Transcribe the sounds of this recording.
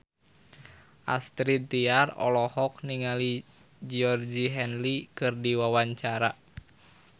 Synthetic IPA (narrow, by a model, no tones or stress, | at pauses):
ʔa̰st̪ɾit̪iarɔ̰lɔhɔk̚niŋali | d͡ʒiɔrd͡ʒiɦɛnlikɨrdiwawaɲt͡ʃaɾa